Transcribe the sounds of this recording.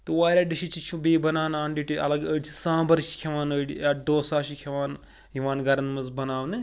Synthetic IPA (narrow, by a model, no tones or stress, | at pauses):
t̪ɨʋaːɾʲaːɖiʃit͡ʃit͡ʃʰubiːbɐnaːnaːɳɖiʈiɐ̰lɐɡəɖt͡ʃʰi̥sãːbɐɾʃi̥kʰʲɐʋaːnɐɖiaːɖoːsaːʃikʰɐʋaːn | ɦiʋaːnɡɐɾɐnmɐzbɐnaːʋnɨ